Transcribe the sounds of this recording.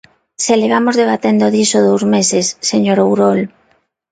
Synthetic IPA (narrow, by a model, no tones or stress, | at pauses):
seleβ̞amozðeβ̞at̪end̪oðisoðowzmesesːeɲoɾowɾol